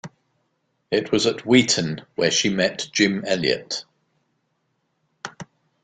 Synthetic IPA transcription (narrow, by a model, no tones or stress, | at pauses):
ɪʔʰwɒzəʔwiˑʔə̃nwəʃimɛʔd̥ʒ̥ɪ̃mɛljə̰t